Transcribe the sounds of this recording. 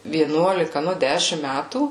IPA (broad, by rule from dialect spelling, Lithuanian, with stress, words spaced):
ʋʲiɛˈnuɔlʲɪkɐ ˈnʊ ˈdʲæːʃʲɪm ˈmʲætuː